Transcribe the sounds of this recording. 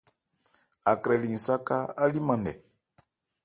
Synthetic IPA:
a˨kɾɛ˨li˨ŋi˨sa˦ka˦a˦li˦ma˨ndɛ̰˨

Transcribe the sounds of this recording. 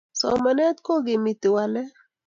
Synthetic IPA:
sɔ̰˨ma˨nɛ˦t̪ko˦ɡɪ˨mi˨t̪ɪ˨wa˨lɛ˦

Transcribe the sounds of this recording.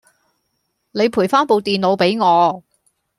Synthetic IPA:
ne˨˧jpʰuː˨˩jfaː˥npo˨˧wt̪iː˨nlo˨˧wpe˨˥jŋɔː˨˧

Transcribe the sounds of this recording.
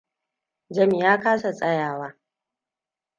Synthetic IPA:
d͡ʒɐ˦mi˨jaː˦kaː˦sa˨t͡sʼɐ˦jaː˨waː˦

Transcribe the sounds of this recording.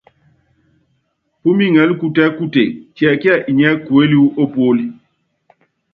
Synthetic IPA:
pu˦mi˦ŋɛ˨˦lku˦˨tɛ˦ku˦tḛ˨kjɛ˨ki˦ɛ˦˨ʔi˨ɲɛ˦ku˨e˦li˦wu˦ʔo˦po˦li˦

